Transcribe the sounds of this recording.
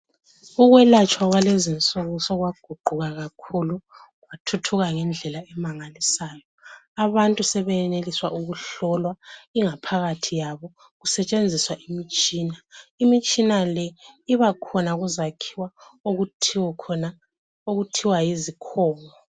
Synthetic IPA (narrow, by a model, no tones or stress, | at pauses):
uɣwɛlat͡ʃʼwaɣwalezint͡sʼoɣusɔɣwaɡ̥ʱuɡ͡ǃʱuɣaɣakʰulu | ɣwatʰutʰuɣaŋɛnd͡ɮʱɛlaɛmaŋalisaːjɔaβantʼusɛβɛɛneliswaʔuɣuɬɔlwaiŋapʰaɣatʰijaβɔ | ɣusɛt͡ʃʼend͡zʱiswaʔimit͡ʃʼiːnaimit͡ʃʼinalɛiβakʰɔnaɣuzakʰiwaoɣuikʰɔna | oɣutʰiwajizikʰɔːŋɔ